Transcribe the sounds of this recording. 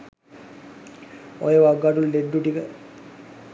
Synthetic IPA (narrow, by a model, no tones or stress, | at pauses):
o̰jeʋaɡːaʈulɖeɖːuʈikə